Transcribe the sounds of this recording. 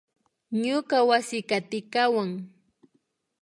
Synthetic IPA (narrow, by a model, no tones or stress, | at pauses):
ɲʊkawasɪkat̪ɪkawaŋ